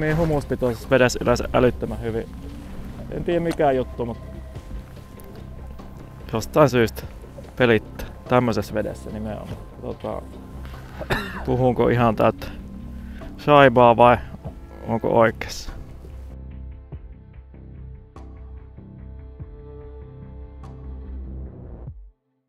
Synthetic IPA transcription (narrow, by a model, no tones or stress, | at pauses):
miːhumuspit̪oˑsesʋedesy̰løsʔʔæ̰lyt̪ːømæhyʋi | ḛnt̪iːjæmmikæˑjut̪ːumut̪ | jost̪ɑˑinsyːst̪ | pelit̪ːæ̥t̪æmːøsesʋedḛsːæ̰nimḛo̰mːɑ | t̪ot̪ɑ̰ | puhuŋko̰ʔihɑnt̪ælt̪ | sɑiʋɑːʋɑi | o̰ŋko̰ʔoikːˑe̥sːɑ̥